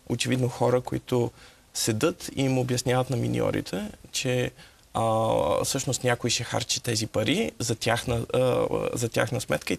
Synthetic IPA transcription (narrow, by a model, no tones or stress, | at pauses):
ot͡ʃɛvid̪noxɔɾəkoit̪ʊ | sɛd̪ɤt̪imobjɐsnʲavət̪nɐmḭnḭɔ̰ɾḭt̪ʰɛt͡ʃɛ | fsɤʃnost̪nʲakoiʃɛxa̰ɾt͡ʃit̪ɛzipɐɾizɐt̪ʲjaxnə | zɐt̪ʲa̰xnəsmɛt̪kəi